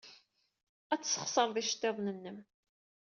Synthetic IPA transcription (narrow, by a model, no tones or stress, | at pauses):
æt͡sːsːə̥χsˤəɾˤðiʃə̥t̪ːeðˤnənːəm